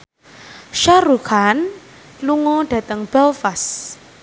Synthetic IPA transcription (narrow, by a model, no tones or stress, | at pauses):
ʃaɾukan | luŋɔɖ̥ä̤t̪əŋb̥ɛlfas